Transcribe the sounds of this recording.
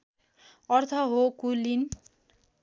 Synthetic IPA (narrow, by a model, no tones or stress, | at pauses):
ʌrt̪ʰʌɦokulin